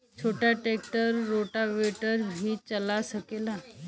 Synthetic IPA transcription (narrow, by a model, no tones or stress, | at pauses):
t͡ɕʰoʈaʈek̚ʈəɾːoʈaʋeʈəɾɦiːt͡ɕəlasəkela